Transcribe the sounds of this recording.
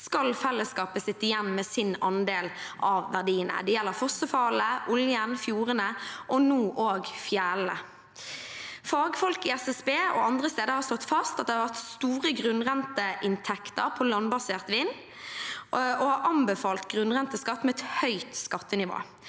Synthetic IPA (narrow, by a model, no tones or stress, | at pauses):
skɑlfɛlːəskɑːpəsɪt̪ːɪjɛnmɛːsɪnɑnd̪eːlʔɑʋʋæʁd̪iːənə̰d̪ɛjɛlːəɾfɔsəfɑləʔʊljənfjuːʁənəʔɔnuːʔoːɡfjæːlə | fɑːɡəfɔlkɪɛsɛsbeːɔ̰ɑnd̪ʁəst̪eːd̪əɾhɑʁst̪ɔt̪ːfɑst̪ɑt̪̚d̪ɛhɑʋæt̪st̪uːʁəɡʁʉnʁɛnt̪əʔɪnt̪ʰɛkt̪əɾpʰɔlɑnbɑseːʁt̪ʋiːn | ɔhɑɾʔɑmbəfɑːlt̪ɡʁʉnʁɛnt̪əskɑt̪ːmɛɛt̪hœʏt̪skɑt̪ːənɪʋo̰ː